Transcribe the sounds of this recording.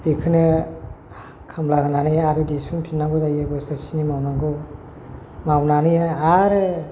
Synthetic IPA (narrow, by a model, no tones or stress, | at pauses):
b̥ikʰɯnɯ | kʰamlaɡɯnanɯjaɾɯdispʰinpʰinaɡɔzajebɯsɯsinimawnaɡɯ | mawnanɯjaaɾɯ